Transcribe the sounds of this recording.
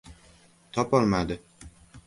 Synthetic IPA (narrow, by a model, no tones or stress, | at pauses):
t̪ʰɒpɒlmad̪ɪ